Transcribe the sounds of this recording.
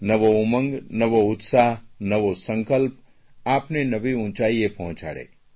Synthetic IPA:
nɐʋoʊmə̃ŋɡnɐʋoʊt̪saːɦnɐʋosə̃ŋkəlp̚ | aːpnenɐʋiʊ̃ːt͡ʃaːiepɐɦʊ̃t͡ʃa̰ːɽḛ

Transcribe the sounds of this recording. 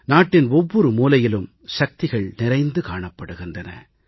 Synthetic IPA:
naːʈːɪnɔʋːɔɾɯmuːlɐjɪlɯm | ʃɐk̚t̪ɪɣɐɭnɪɾɐɪnd̪ɯkaːɳɐpːɐɽɯɣɪndrɐnɐ̰

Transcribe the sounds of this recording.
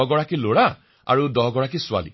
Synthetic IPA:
ɡɔɹakiloɹa | a̰ɹudɔɦɡɔɹakisʊa̰lḭ

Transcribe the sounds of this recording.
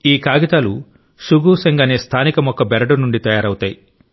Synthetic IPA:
iːkaːɡit̪aːlu | suɡuːseŋɡaːneːst̪ʰaːnikɐmɔkːɐbɛɾɐɽunuɳɖit̪ɐjaːɾɐwut̪aːji

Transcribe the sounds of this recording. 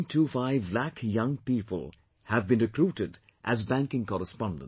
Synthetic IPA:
ntʰuːfaɪvlækʰjʌ̃ŋpipʰə̰l̩ˠ | hævbɨ̃nɹɨkɾuːɾɪd | ʔæzbæ̃ŋkɪ̃ŋkɔɾəspɑ̃ndə̃n

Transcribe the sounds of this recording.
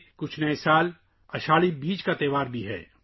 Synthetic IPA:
kʊt͡ʃʰnɐesaːl | ɐʃaːɭibiːd͡ʒkat̪eːʋaːɾbʱiɦɛ̰ː

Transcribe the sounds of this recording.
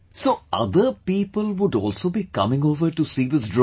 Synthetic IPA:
soːʔʌ̰d̪əpiːpəlʋʊɖɔ̰ːlsoːbiːkʌ̰mɪ̃ŋoːʋəɾʈusiːd̪ɪsdɾ

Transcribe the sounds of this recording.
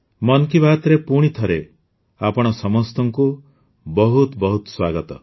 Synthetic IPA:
mɔnkibat̪ɾepuɽ̃it̪ʰɔɾe | apɔɽ̃ɔsɔmɔst̪ɔŋku | bɔɦut̪bɔɦut̪swaɡɔt̪ɔ̰

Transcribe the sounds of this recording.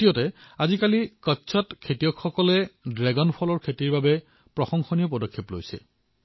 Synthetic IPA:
tijɔtɛazikalikɔtːsʰɔtkʰetijɔkxɔkɔlɛdɹɛɡɔnpʰɔlɔɹkʰetiɹbabɛ | pɹɔxɔŋxɔnijɔpɔdɔkʰːeplo̰jsɛ̰

